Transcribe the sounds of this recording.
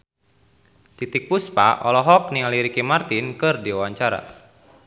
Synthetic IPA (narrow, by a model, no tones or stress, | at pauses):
t̪it̪ik̚puspa̰ʔɔlɔɦɔk̚nialiɾikimart̪inkɨrdiawaɲt͡ʃaɾa̰